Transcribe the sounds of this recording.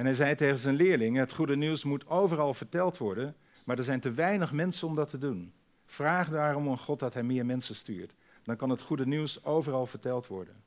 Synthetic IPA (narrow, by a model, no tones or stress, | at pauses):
ɛnɦɛjzɛjtejχənzɛnlɪːɹlɪŋɦətχudəniwsmutowvərɑlˠvəɹtɛlˠtʋɔɹdən | maːɹdəɹzɛjntəʋɛjnəχmɛnsənɔmdɑtʰədun | v̥raːχdaːrɔməχɔt̚dɑtɦɛjmɪːɹmɛnsənsty̰ːɹt | dɑnkɑnɦətχudəniwsowvərɑlˠvəɹtɛlˠtʋɔ̰ɹdən